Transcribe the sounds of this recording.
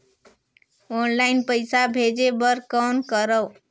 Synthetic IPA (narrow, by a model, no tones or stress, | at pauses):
onlaɪnpəɪsabʱed͡ʒebəɾkənkəɾəw